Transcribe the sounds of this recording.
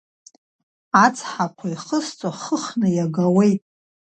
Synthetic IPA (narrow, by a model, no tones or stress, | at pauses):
at͡sʰʼħakʷʰaiχəst͡sʷʼaχəχnɨjaɡawejtʼ